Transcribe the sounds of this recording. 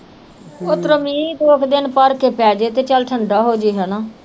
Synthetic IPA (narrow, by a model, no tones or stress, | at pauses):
ʊt̪ɾəmĩːd̪oːkʰd̪ɪnpəɾkeːpɛːd͡ʒeːt̪eːt͡ʃəlʈʰəɳɖaːɦoːd͡ʒiːɦɛːnaː